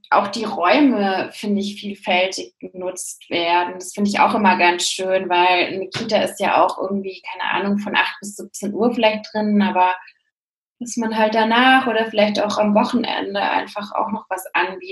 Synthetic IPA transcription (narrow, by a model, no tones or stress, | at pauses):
ʔa̰ʊxd̥iːʁɔʏməfɪndəɪçfiːlfɛltɪçɡ̥ənʊt͡stv̥eːɐdn̩d̥asfɪndəɪça̰ʊxʔɪmɐɡansʃøːnvaɪlnəkʰiːtaɪstjaːʔa̰ʊxʔɪ̰ɐɡŋ̩tv̥iːkʰaɪnə̰ʔa̰ːnʊŋfɔnʔa̰χt̚b̥ɪs̬z̥ip̚t͡senʔuːɐfɪlaɪçt̚d̥ʁɪnənʔaːbɐ | d̥asmanɦalt̚d̥anaːχʔoːɾɐfɪlaɪçta̰ʊxamvɔχn̩ʔɛ̰ndəʔa̰ɪnfaχa̰ʊxnɔχv̥asʔanɡiː